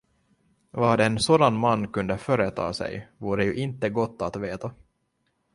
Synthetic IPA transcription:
vaːɖɛːnsoːd̪anmanːkɵnd̪əfœːɾət̪ʰɑ̰ːsɛ̰jvuːɾəjɵʔɪnt̪ːəɡɔt̪ːat̪veːt̪a

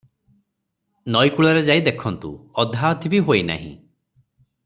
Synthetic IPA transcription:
nɔjkuɭɔɾed͡ʒajd̪ekʰɔnt̪ṵɔd̪ʱaɔt̪ʰibiɦojna̰ɦḭ̃

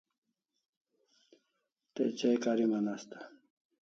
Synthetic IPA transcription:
t̪et͡ɕejkaɾimanast̪ḁ

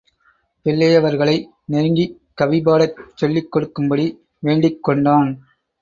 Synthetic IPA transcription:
pɛlːɐjɐʋɐɾɣɐɭɐɪ | nɛɾŋɡi | kːɐʋɪbaːɽɐt͡ʃːɔlːɪkːɔɽɯkːɯmbɐɽi | ʋeːɳɖɪkːɔɳɖaːn

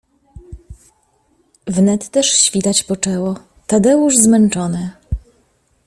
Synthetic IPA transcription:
vnɛt̪ːɛʂɕfʲit̪at͡ɕpɔt͡ʂɛwɔ | t̪ad̪ɛwuʐzmɛnt͡ʂɔnɘ

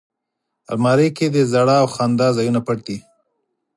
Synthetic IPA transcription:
a̰lmɑɾejked̪əzaɽɑːwxɑnd̪ɑzɑjunapaʈ̚d̪i

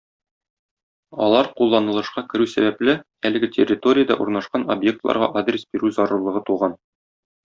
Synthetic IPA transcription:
ɒ̰lˠɑɾqulˠːɑnɤ̆lˠɤ̆ʃqɑkɘ̆ɾʉsæbæplɘ | ælɘ̆ɡɘtʲerʲːɪt̪o̞ɾʲɪjad̪ɑ̰ʔuɾnɑʃqɑno̰bje̞k̚t̪lˠɑ̰ɾʁɑ̰ʔad̪rʲesbiɾʉzɒɾɤ̆ɾlˠɤ̆ʁɤt̪uʁɑn

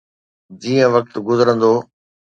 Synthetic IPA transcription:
d͡ʑiːə̃ʋɐk̚t̪ɡʊzəɾə̃nd̪oː

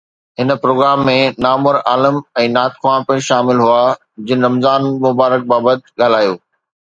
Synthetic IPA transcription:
ɦɪnpɾoːɡɾaːmːẽnaːmʊɾaːləmɛ̃ːnaːt̪kʰwãːɳpə̃ʃaːmɪlɦuaː | d͡ʑɪnɾɐmzaːnmʊbaːɾək̚baːbət̪̚ɠaːl̤aːjoː

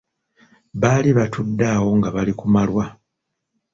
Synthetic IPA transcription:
βaːliβatudːaːwo̞ŋɡaβalikumalwa

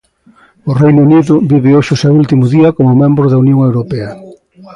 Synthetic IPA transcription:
ʊrejnuniðʊbiβɪoʃʊsewult̪imʊðiɐkomʊmẽmbɾʊðɐunjõŋewɾopɛɐ

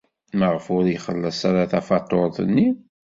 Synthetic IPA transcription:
məʁfʊɾjχəlːæsaɾaθæfɑt̪ˤːoɾˤðˤənːi

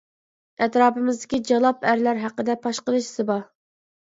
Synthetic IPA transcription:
ɛt̪ɾɑːpɨmɪzd̪ɪkʲid͡ʒɑlˠɑpæɾlæɾɦæqːəd̪ɛpʰɑʃqəlˠɨʃsɨbɑ

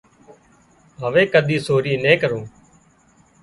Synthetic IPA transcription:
ɦəʋeːkəɗ̪ʱiːsoːɾiːnẽːkəɾũː

